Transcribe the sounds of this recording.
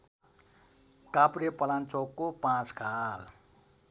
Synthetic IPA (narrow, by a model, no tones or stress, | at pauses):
kapɾepʌlant͡sokːopãt͡skal